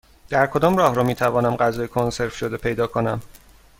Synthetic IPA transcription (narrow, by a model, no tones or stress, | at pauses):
d̪̥æɾkʰo̞d̪ɒːmrɒːhɾɒmiːt̪ʰævɒːnæmɢæzɒːjekʰonse̞ɾfʃod̪epʰe̞jd̪ɒːkʰo̞næm